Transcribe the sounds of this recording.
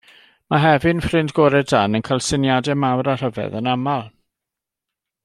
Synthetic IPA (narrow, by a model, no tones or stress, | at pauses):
maɦɛvɨnfrɪndɡɔɾɛdanənkʰalˠsɪnjadɛmawɾar̥əvɛ̰ðənamalˠ